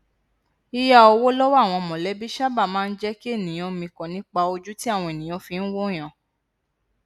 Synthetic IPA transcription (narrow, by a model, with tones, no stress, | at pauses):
i˧ja˦˨o˧wo˦lɔ˦wa˦˨w̃ɔ̃˧mɔ̃˨lɛ˨˦bi˦ʃa˦ba˦˨mãː˦˧n̩˦d͡ʒɛ˦ki˦e˦˨nĩ˨j̃ɔ̃˦mĩ˧kɔ̃˨nĩ˨˦k͡pa˧o˧d͡ʒu˦ti˦a˦˨w̃ɔ̃˧e˨nĩ˨ɔ̃˨˦fĩ˧n̩˦wo˦˨j̃ã˨